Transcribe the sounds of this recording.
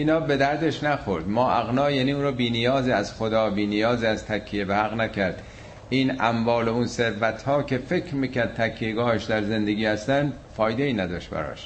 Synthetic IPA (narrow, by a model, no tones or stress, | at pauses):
ʔiːnɒːbe̞d̪æɾd̪eʃnæxoɾd̪mɒːʔæɣnɒːjæːniːuːnɾuːbiːnijɒːziæzxod̪ɒːbiːnijɒːziæzt̪ʰækʰːijebehæɣnækʰæɾd̪ | iːnæmvɒːlounse̞ɾvæt̪hɒːkʲʰe̞fe̞kʰɾmiːkæɾd̪̚t̪ʰækʰːijeɡɒːheʃd̪æɾze̞nd̪eɡiːhæst̪ænd̪ | fɒːjd̪e̞iːnæd̪ɒːʃt̪̚bæ̰ɾɒ̰ʃ